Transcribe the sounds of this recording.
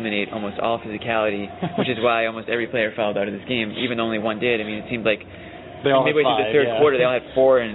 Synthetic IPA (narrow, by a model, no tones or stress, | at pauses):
mɨɾ̃neɪɾʔɔ̰lˠmoʊstɔ̰lˠfɪzɨkʰælˠɨɾiwɨt͡ʃɨzwaɪɔlˠmoʊstɛvɹipʰl̥eɪə˞fɔlˠdaʊɾʌvðɪsɡ̥ẽɪ̃mḭvɨ̃nõʊ̃nliwʌ̃ndɪɾaɪmĩnɨtsĩmdzlaɪk | ðemeɪbiweðɨθɜ˞d̚kʰw̥ɔɹɾə˞ðeɪɔlˠɨd̥fɔɹɨ̃n